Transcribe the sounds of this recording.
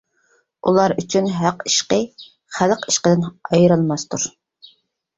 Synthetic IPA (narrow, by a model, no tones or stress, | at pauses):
ʔulˠɑɾyt͡ʃʰynɦæqi̥ʃqə | χæləqi̥ʃqəd̪ɪnɑjɾɨlˠmɑst̪ʰuɾ